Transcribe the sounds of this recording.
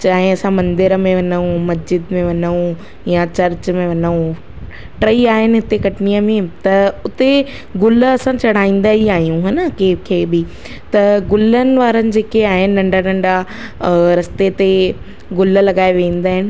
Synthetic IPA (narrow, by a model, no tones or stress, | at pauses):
t͡ɕaːɦɪ̃ɐsãmɐ̃nd̪ɪɾəmẽʋɐnəũmɐs̬d͡ʑɪd̪mẽʋɐnəũ | jat͡ɕɐɾt͡ɕmẽʋɐnəũ | ʈɾɐiaːɦɪnɪ̆ɦɪt̪ekɐʈɪnijəmẽt̪ɐʊt̪e | ɡʊlɐsãt͡ɕɐɽ̤aːĩːn̆d̪aːɦiaːɦijũɦɐnəkeːkʰeːbɪ | t̪ɐɡʊlənɪ̆ʋaːɾənɪ̆d͡ʑeːkeaːɦɪnɪ̆nɐ̃ɳɖanɐ̃ɳɖa | ɾɐst̪et̪e | ɡʊl̆lɐɠaːeʋeĩːn̆d̪aːɦɪnɪ̆